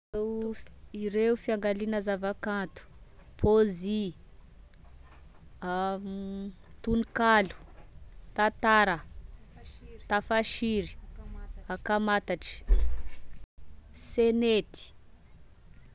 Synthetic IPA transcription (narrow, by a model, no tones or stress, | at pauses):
e | iɾeufiaŋɡalinəzavakant̪u̥pʰozi | a | t̪unikalu̥t̪at̪aɾə | t̪afaʃiɾi̥ | akamat̪aʈ͡ʂi̥ | senet̪i̥